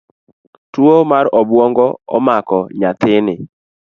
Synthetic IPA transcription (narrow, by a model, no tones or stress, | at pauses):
twomaɾɔbwɔŋɡɔɔ̰makɔɲat̪ɪnɪ